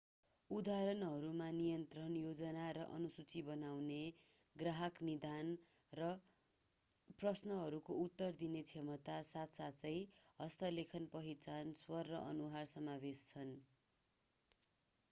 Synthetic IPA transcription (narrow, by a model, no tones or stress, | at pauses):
ud̪aɾʌnɦʌɾumanijʌnt̪rʌnjod͡zʌnaɾʌʔʌnusut͡sibʌnawne | ɡraɦʌknid̪an | rʌ | prʌsnʌɦʌɾukout̪ːʌrd̪inet͡sʰemʌt̪asat̪sat͡sʌjɦʌst̪ʌlekʰʌnpʌɦit͡sanswʌrːʌʔʌnuɦarsʌmabest͡sʰʌn